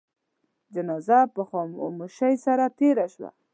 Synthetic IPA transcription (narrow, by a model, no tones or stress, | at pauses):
d͡ʒanɑzapəxɑmoʃajsaɾat̪eɾaʃwa̰